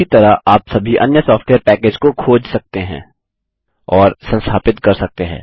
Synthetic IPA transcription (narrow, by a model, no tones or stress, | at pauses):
it̪ɐɾaʔaːpsɐbʱiʔɐ̰njəsɔːfʈweːəɾpɛːkeːd͡ʒkokʰoːd͡ʒsɐk̚t̪eɦɛ̰̃ː | ɔːɾsɐ̃nst̪ʰaːpɪt̪kɐɾsɐk̚t̪eɦɛ̰̃ː